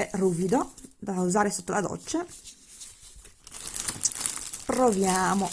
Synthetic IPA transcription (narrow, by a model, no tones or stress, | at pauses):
ɛruːvid̪od̪auzaːɾesot̪ːolad̪ɔ̰t͡ʃːa | pɾovjaːmo